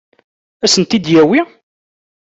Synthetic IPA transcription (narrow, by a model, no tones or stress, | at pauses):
æsənt̪id̪jæwi